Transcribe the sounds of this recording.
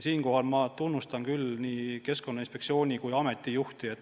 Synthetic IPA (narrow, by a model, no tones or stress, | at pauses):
siːnko̞ɦɑlmɑt̪unːust̪ɑnkylniːke̞sko̞nːɑinspe̞ksio̞ːnʲikujɑme̞t̪ːˑijuht̪ie̞t̪ː